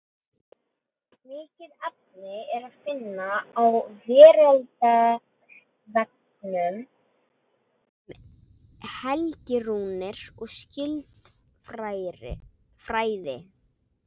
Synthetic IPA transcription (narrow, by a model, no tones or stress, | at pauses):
mɪːcɪðap̚nɪɛɾaðfɪnːaːwvɛːɾɛlt̪a | vɛk̚ | nʏm | hɛlcɪɾuːnɪɾ̥ɔɣscɪlt̪ | fɾaːjðɪ